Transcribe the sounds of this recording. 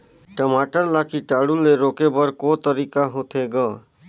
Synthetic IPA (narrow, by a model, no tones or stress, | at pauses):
ʈəmaːʈəɾlakiʈaːɽuleɾoːkebəɾkot̪əɾiːkaɦot̪ʰeɡaː